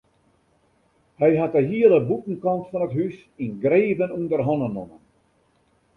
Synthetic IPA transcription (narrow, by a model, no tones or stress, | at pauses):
hɛjɦatəɦiəlˠəbutn̩kɑntfɔnətɦys | inɡreːvənundərɦɔnənɔmən